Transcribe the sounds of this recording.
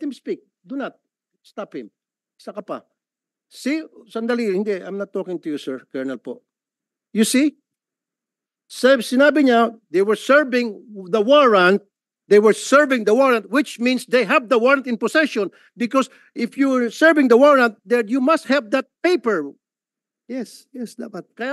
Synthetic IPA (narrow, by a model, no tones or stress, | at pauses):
ɛt̪hɪmspik̚ | d̪unat̪̚ | st̪aphɪ̃m | sɐkɐpa̰ | sisɐnd̪ɐlihɪ̃nd̪ɛʔa̰jmnɐt̪ːokɪ̃ŋt̪ʊjusɛɹkɛɹnɐlpoʔ | jusi | sɛsɪnaːbɪɲad̪ejwɛɹsɛɹvɪ̃ŋðɐwɔɹãnt̪̚ | d̪ejwɛɹsɛɹvɪ̃ŋd̪ɐwɔɹãnt̪̚wɪt͡ʃmĩnsd̪ejɦɛvd̪ɐwɔɹɐnt̪ɪ̃nposɛʃɔ̃n | bɪkɔs | ʔɪfjuəɹsɛɹvɪ̃ŋd̪ɐwɔɹãnt̪̚d̪ɛnjumɐst̪̚hɛvd̪ɐt̪̚peɪjpɛɹ | jɛsjɛsd̪apat̪̚kɐja